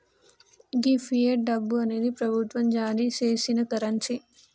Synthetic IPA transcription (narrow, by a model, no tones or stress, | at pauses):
ɡifʰieɖɐbːuɐne̞ːd̪ipɾɐbʱut̪ʋɐmd͡ʒaːɾit͡ʃeːʃinɐkɐɾɐɲt͡ʃi